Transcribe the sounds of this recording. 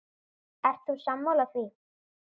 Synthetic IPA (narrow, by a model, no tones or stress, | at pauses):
ɛr̥t̪θusamːawlaθvi